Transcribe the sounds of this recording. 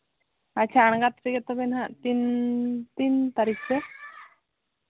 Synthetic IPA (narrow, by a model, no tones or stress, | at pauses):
at͡ɕʰaːɳ̃ɡat̪ɾeɡɛt̪obenɦat̪int̪iːnt̪aɾikse